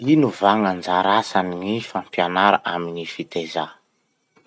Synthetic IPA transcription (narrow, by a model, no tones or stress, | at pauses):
inuvaŋand͡zaɾasaniŋifampjanaɾa̰ʔamiɲifit̪eza